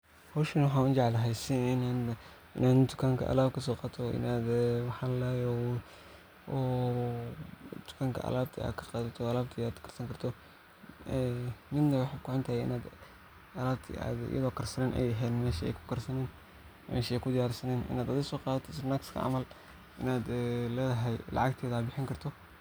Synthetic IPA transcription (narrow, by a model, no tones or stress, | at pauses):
hɔːʃɐnwɑħaːʊnt͡ʃɑʕlɐɦɛjsɪna | ʔɪnaːnd̪ʊkʰaːŋkʰɐ̰ʔɐ̰laːbkʰɐsɔːqɑːt̪ʰɔʔɪ̰naːd̪ɛwɑħɑlɛːjɔ | ɔː | d̪ʊ̥kʰaːŋkʰɐ̰ʔɐ̰laːb̚t̪ʰa̰ːkʰɐ̥qɑːðɐt̪ʰɔɐlaːbt̪ʰiaːd̪kʰɐ̥rsɐŋkʰɐrt̪ʰɔ | ɛmɪd̪nɐwɑħɑkʰʊʕɔnt̪ʰɐhɛjɪ̰naːd̪ | ʔɐlaːb̚t̪ʰḭa̰ːd̪ɪ̰jɐ̰ðɔːkʰɐrsɐnɛːnʔɛ̰jɦɛːnmɛːʃɛ̰jkʰʊ̥kʰɐrsɐnɛːn | mɛ̰ːʃɛjkʰʊd̪ɪjaːɾsɐnɛːnɪ̰naːd̪ɐðɪsɔːqɑːðɐt̪ʰɔɪsrnakskʰɐ̰ʕɑ̰mɐl | ʔɪnaːd̪ɛlɛːðɐɦɛjlɑ̰ʕɑɡt̪ʰɛːðaːbɪħɪŋkʰɐrt̪ʰɔ